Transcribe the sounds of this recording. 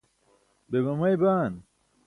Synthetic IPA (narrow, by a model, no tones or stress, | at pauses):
bebɐmɐjbaːn